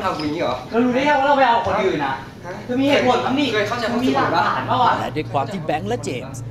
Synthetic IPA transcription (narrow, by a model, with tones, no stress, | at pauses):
a˧ki˧˩ŋiː˦˥˩ɔ̰ː˨˩˦kʰɯː˧ɾuː˧naː˥˩aː˥˩wa˦˥ɾa˧pa˧ʔa˧wkʰɔ˨˦n˧ɯː˨˩na˦˥ | kʰɯː˧miː˧heː˨˩t̪̚ko˨˩˦nkʰa˧ŋniː˥˩kʰɤː˧kʰa˥˩t͡ɕa˧ɔ˧˥˧mːi˧˨˧a˨˩˨aː˦˧aː˨˩˦nbaː˥˩waː˧˩lɛ̰˧˩daː˦˥˩kʰwaː˧mt̪ʰi˧˩bɛ˨˦˥ŋlɛ˦˥t͡ɕeː˨˩